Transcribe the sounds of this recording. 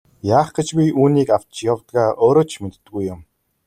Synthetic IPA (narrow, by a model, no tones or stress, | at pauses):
jaːχɡ̥ĕt͡ɕpʲiʔuːniːkaw̥t̪t͡ɕjawt̪ɡaːʔoːɾoːt͡ɕʰmet̪ːɡujʊm